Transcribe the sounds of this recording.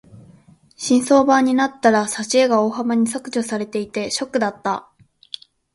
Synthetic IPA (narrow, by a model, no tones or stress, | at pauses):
ɕĩɰ̃so̞ːbaɲ̟inat̪ːaɾasaɕieɡao̞ːɦamaɲ̟iso̞kɯ̟ʑo̞saɾe̞t̪e̞it̪e̞ɕo̞kːɯ̟d̪at̪ːa